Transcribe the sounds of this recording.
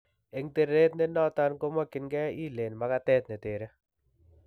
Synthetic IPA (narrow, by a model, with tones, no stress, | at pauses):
e˨ŋte˨ɾe˦tnɛ˦nɔ˦ta˦nko˦mɔ˦kɪ˨nɡɛ˦i˦le˨nma˨ka˦tɛ˦tne˨te˨ɾe˦